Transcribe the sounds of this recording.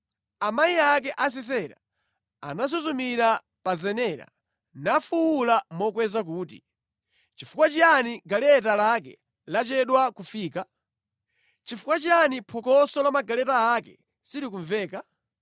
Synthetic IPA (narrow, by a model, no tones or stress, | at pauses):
amajiak̬ɛʔas̬ɛs̬ɛɾa̰ | a̰nas̬uzumiɾa | pazɛnɛːɾa̰ | nafuwulamɔkwɛzak̬uːtḭ | t͡ʃifukwat͡ʃianiɡalɛt̬alakɛ̰ | lat͡ʃɛɗwakufiːka | t͡ʃifukwat͡ʃanipʰɔkɔsɔlamaɡalɛtaːkɛ̰ | siɾikuɱvɛːka